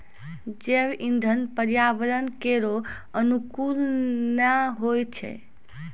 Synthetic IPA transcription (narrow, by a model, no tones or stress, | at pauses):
d͡ʒebind̪ʱənpəɾjabəɾənkeɾo | ənukulnaɦojt͡ʃʰɛ̰